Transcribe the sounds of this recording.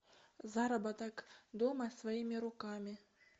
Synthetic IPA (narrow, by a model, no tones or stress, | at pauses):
zɑɾɐbɑt̪ɑkd̪omɑsvajimʲiɾukɑmʲi